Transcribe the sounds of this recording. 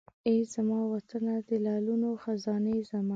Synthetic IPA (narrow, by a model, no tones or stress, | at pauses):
ezamɑwat̪ənad̪əlɑlunoxazɑnezamɑ